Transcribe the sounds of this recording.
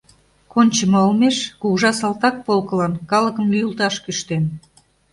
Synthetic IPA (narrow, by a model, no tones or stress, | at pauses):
konʲt͡ɕəmɑolmeʃkuɣʒɑsɑlt̪ɑk̚polkɤ̆lɑnkɑlə̆kəmlʲyjulˠt̪ɑʃkyʃt̪en